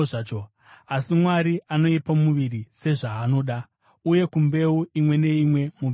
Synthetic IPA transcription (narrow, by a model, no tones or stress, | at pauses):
t͡ʃo | asimwaɾiano̞ipamuʋiɾise̞ʐaːno̞ːɗa | uje̞kumbe̞uimwe̞ne̞imwe̞mu